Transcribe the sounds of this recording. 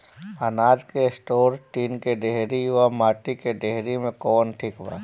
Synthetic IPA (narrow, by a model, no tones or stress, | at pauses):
ənaːd͡ʒkesʈoːɾʈiːnkeɖeɦɾijʋamaːʈikeɖeɦɾimẽkɔːnʈʰikʋa̰ː